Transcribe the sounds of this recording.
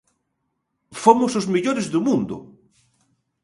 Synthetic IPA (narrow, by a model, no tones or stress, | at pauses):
fomʊsozmiʎoɾezðʊmũnd̪ʊ̰